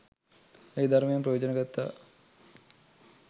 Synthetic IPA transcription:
ejd̪aɾmejemprəjoːd͡ʑənəɡat̪ːa̰

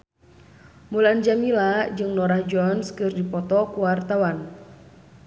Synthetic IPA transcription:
muland͡ʒamilad͡ʒɨŋnɔɾahd͡ʒɔnskɨrdipɔt̪ɔkuwart̪awan

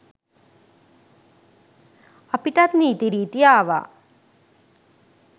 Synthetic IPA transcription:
ɐpiʈat̪niːt̪iɾiːt̪iaːʋa̰

